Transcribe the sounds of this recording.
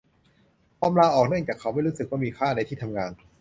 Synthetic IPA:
pɔː˧mlaː˧ʔɔː˨˩k̚nɯ˥˩əŋt͡ɕaː˨˩kʰːa˦˥wma˥˩jɾuː˦˥sɯ˨k̚waː˥˩miː˧kʰaː˥˩na˧jt̪ʰiː˥˩t̪ʰa˧mŋaː˧n

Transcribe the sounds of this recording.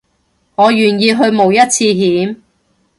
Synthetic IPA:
ŋɔː˨˧jyː˨˩njiː˧ɦɵ˧ɥmo˨wjɐ˥t̚t͡sʰiː˧ɦiː˨˥m

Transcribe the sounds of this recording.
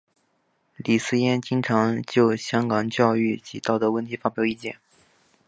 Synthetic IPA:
li˨˩sɹ̩˥jɛ˥nt͡ɕi˥ŋʈ͡ʂʰɑ˧˥ŋt͡ɕjo˥˩ʊɕjɑ˥ŋkɑ˨˩ŋt͡ɕjɑ˥˧ʊy˥˩t͡ɕi˧˥t̪ɑ˥˩ʊt̪ə˧˥wə˥˩nt̪ʰi˧˥fa˥pjɑ˨˩ʊi˥˩t͡ɕjɛ̰˥˩˦n

